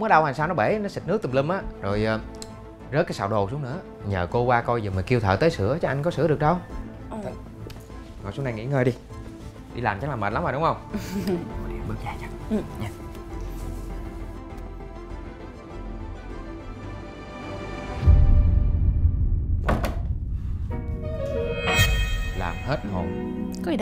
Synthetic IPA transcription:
ŋ͡mɗa˧whaː˨˩ŋsaː˧wnɔ˨˦˥ɓe˧˩˦nɔ˨˦si˨˩t̚nɨ˦˥k̪̚ːmli˧mʔaː˨˦zo˨˩jː | zə˦˥t̚kaː˨˦sa̰ː˧˩wɗo˨˩su˨˦ənɨ̰˧˥ə | ɲə̰ː˨˩ko˧kwaː˧kɔ˧jzəː˨˩mə˨˩ki˧wt̪ʰə̰ː˧˨˩t̪əː˨˦sɨ̰˧˩˦ət͡ɕɔ˨˧ʔa˧ŋ̟k̬ɔ˨˦sɨ̰˧˥əɗək̚ɗə˧w | t̪ʰ | ŋɔ̰˨˩su˦na˧˩ŋḭ˧˥ŋəː˧˩ɗi˧ | ɗi˧laː˨˩nt͡ɕa˧˦˥laː˨˩mə˨˩la˨˦mzo˨˩ɗʊ˨˦ŋ͡mhə˧wŋ͡m | ko˨˩ɗḭ˨˩ɓə˦˥k̚zaː˧˩t͡ɕḁ˦˥ŋ̚ɲa˧˨ | la̰ː˨˩mhe˦˥t̚ho˨˩n | kɔ˨˦i˨

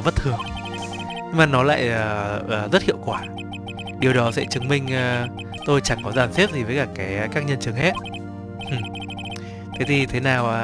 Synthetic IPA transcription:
və˦˥t̚t̪ʰɨ˨˩əŋ | ɲɨ˧ŋmaː˨˩nɔ˨˦la̰ː˧˨jəː˨˩ʔəː˨˩zə˦˥t̚hḭ˧˨əwkwaː˧˩ | ɗi˨˩əwɗɔ˨˦sɛ̰˧˥t͡ɕɨ˨˦ŋmï˧ŋ̟ː˨˩ | t̪o˧jt͡ɕa˧˩ŋkɔ˨˦zaː˧˩nse˦˥p̚zi˨˩vəː˨˦jkaː˧˩kaː˨˦˧kaː˦˥k̚ɲə˧nt͡ɕɨ˨˧˦ŋhɛ˦˥t̚ | ʔ | t̪ʰe˨˦t̪ʰi˨˩t̪ʰe˨˦naː˨˩wʔaː˨˦

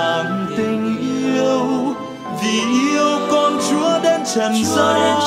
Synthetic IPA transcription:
a˨˩mt̪ï˧ŋ̟ʔi˧əw | vi˨˩ʔi˧əwkɔ˧nt͡ɕu˨˦əɗe˧nt͡ɕə˨˩nzaː˧˥j

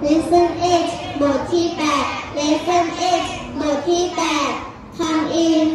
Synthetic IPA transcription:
le˦˥sa˥˩nʔe˦˥˩t͡ɕmo˨˩t̪̚t̪ʰːiː˥˩pɛː˨˩t̪̚le˦˥sa˥˩nʔe˥˩t͡ɕ | mo˨˩t̪̚ʰiː˥˩pɛː˨˩t̪̚ | k̪ʰa˧nʔiː˧

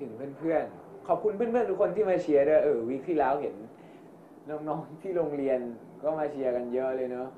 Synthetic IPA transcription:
t̪ʰɯ˩˦ŋpʰɯ˥˩ənpʰɯ˥˩ənkʰɔː˨˩p̚kʰu˧npʰɯ˥˩nʰɯ˥ənt̪ʰu˦˥kʰo˧nt̪ʰiː˥˩maː˧t͡ɕʰi˧ɐdu˥˧˩wa˨ʔɤː˧˩wiː˦˥k̚t̪ʰiː˥˩lɛː˦˥wɦe˩˦nː | ɔː˦˥ŋnɔː˦˥ŋt̪ʰiː˥˩ɾo˧ŋɾi˧ən | kɔː˥˩maː˧t͡ɕʰi˧ɐka˧njɤ˦˥ʔlɤː˧jnɔ˦˥

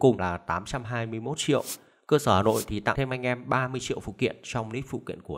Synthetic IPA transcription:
kʊ˨˩ŋ͡mlaː˨˩t̪aː˨˦mt͡ɕa˧mɦaː˧jmɨ˧əjmo˦˥t̚t͡ɕḭ˧˨əw | kəː˧səː˧˩haː˨˩no̰˧˨jt̪ʰi˨˩t̪a̰˧˨t̪ʰe˧mʔa˧jŋ̟ʔɛ˧mɓaː˧mɨ˧əjt͡ɕḭ˧˨əwfṵ˧˨k̪ḭ˧˨ənt͡ɕɔ˧wŋ͡mli˦˥k̚fṵ˧˨kḭ˧˨ənku˧˩

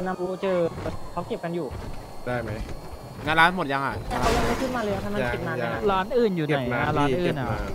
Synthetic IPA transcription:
na˧mu˧˥t͡ɕɤː˧˨˩kʰa˨˦wke˨˩p̚ka˧njuː˨˩daː˥˩jma˦˥j | ŋaː˧nlaː˦˥nmo˨˩t̪̚ja˧ŋha̰ː˨˩a˧˩a˦˥wja˧ma˧˩kʰɯ˥˩n̚maː˧˩lːja˧˥˩kʰa˧˩maː˧˥kːe˨˩naː˧˥˧ɾaː˦˥nʔɯː˨˩njuː˨˩n˨˩jnaa˦˧laː˦˥nʔɯː˨˩na˨˩˦

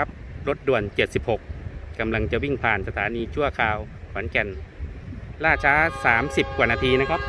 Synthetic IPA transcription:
a˦˥p̚ɾo˦˥t̪̚du˨˩ənt͡ɕe˨˩t̪̚si˨˩p̚ho˨˩k̚ka˧mla˧ŋt͡ɕa˨˩wi˥˩ŋpʰaː˨˩nsa˧t̪ʰaː˩˦niː˧t͡ɕʰu˥˩ɐkʰaː˧w | kʰɔː˩˦nkɛ˧n | laː˥˩t͡ɕʰaː˦˥saː˩˦msi˨˩p̚kwaː˨˩naː˧t̪ʰiː˧na˦˥kʰa˦˥p̚

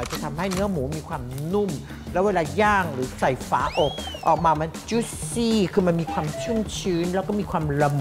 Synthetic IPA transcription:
t͡ɕa˨˩t̪ʰa˧mha˥˩jnɯ˦˥əmuː˩˦miː˧kʰwaː˧mnu˥˩m | lɛː˦˥weː˧laː˧jaː˥˩ŋɾɯː˩˦sa˨˩jfaː˩˦ʔo˨˩k̚ʔɔ̰ː˨˩k̚maː˧ma˧nt͡ɕuː˦˥siː˥˩kʰɯː˧ma˧nmiː˧kʰwaː˧mt͡ɕʰu˥˩ŋt͡ɕʰɯː˦˥nlɛː˦˥wkɔː˥˩miː˧kʰwaː˧mɾa˧m˩

